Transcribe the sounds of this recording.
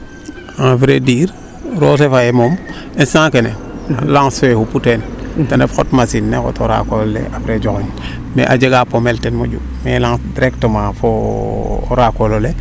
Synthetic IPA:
ãfɾediːɾ | ɾosefaemomensãkenelaŋsoehuputentanefxo̰tmasinːeko̰toɾa̰kollḛʔafɾed͡ʒokoɲ | mḛʔad͡ʒeɡapomeltenmoɟṵ | melaŋdiɾektəmafo | o̰ɾakolole

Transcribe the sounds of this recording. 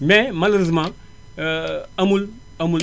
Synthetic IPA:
mɛmaloɾezmã | amul | amul

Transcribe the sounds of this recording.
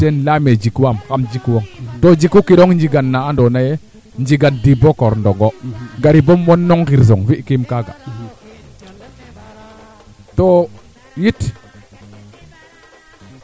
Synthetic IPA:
tenlamed͡ʒikuwamxamd͡ʒikwoŋtod͡ʒikːukiɗoŋnd͡ʒiɡanːaandonaje | nd͡ʒiɡandibokoɾndoɡoɡaɾibomwonːoŋkiɾs̬oŋviʔkimkaɡa̰ | to | jit

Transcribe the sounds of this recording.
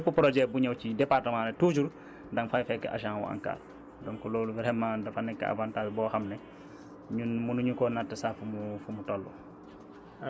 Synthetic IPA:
pupɾod͡ʒɛbuɲawt͡ʃidepaɾtɐmãːnetut͡ʃuɾ | daŋfajfɛkːḛʔa̰ʃ̬aŋwṵa̰ŋka̰ːɾ | dɔŋkɔloːluvɛɾɛmːãːdafanːɛkːa̰a̰bantabibɔːxamne | ɲunmunuɲukoːnatːesafumufumutolːṵ

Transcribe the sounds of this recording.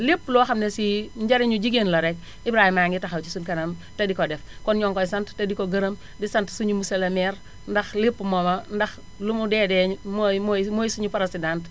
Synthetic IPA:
lipːlɔxɐmnesiɲd͡ʒɐɾiɲud͡ʒiɡenlɐɾɛk̚ | ibɾaːhimaŋɡitɐxawt͡ʃisunkɐnɐmtɐdikɔdɛfkɔnɲɔŋkɔjsɐnttɐdikoɡɐɾɐm | disɐntsuɲumusɐlɐmɛɾ | ndɐxlipːmɔmɐndɐx | lumudɛːdɛmmomojsuɲupɐɾɐsidant

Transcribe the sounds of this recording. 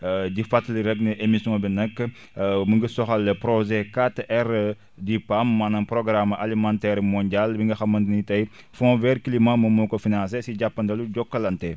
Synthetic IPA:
ɟifɐtːliɾɛɡnɐʔemisjɔ̃bɛnɐkː | məŋɡəsɔxɐlːɐpɾɔʒɛkatːʔɛr | dipamːanɐnprɔɡɾamalimãntɛɾmɔɲɟalbiŋɡɐxɐmːɐntinitɐj | fɔ̃ːvɛɾklimãmɐmɔkɔfinãns̬esiɟapːɐndɐluɟɔkːɐlɐntɛ

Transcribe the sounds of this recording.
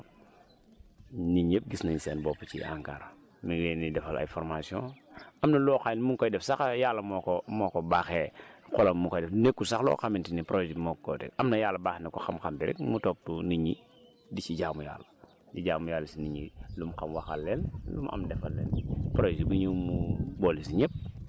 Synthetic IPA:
niɲep̚ɡisnaɲiseːnboput͡ʃḭʔa̰ŋkaɾ | miwenidɛfala̰jfɔɾmasiõamnɐloxanmuŋkojdɛfsaxajalːɐmɔkomɔkobaːxekolɐmmuŋkojdefnekːusaxlo̰ːxamintinipɾod͡ʒimokkːo̰tḛkamnajalabaːxnikuxamkambiɾḭk̚mutop̚tuniɲi | dit͡ʃiɟaːmuja̰ːla | diɟaːmujalːisiniɲilumkamwaxalːenlumʔa̰mdefalːḛnpɾosiɡuɲimubolisiɲep̚

